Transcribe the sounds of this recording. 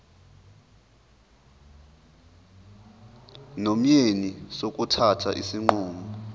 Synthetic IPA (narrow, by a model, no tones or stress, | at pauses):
nom̩jenisok̬ʼutʰatʰa̰ʔisiŋ͡ǃuːŋɔ